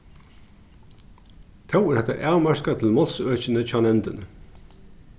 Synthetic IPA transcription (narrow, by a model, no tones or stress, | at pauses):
t̪ʰɑwæːhɛt̪ə̰ʔæːʁmæɹkɑt̪ʰl̩mɔlsøːçənəc͡çɑnɛnd̪ən